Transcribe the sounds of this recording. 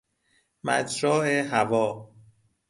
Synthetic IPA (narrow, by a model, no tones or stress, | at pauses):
mæ̰d͡ʒɾɒːeɦævɒː